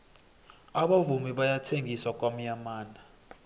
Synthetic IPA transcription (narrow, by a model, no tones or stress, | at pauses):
aɓavumiɓajatʰeŋɡiswak̬ʼwam̩ɲamaːna